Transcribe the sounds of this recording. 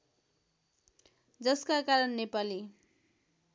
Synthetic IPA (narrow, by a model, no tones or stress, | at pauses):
d͡zʌskakaɾʌnːepali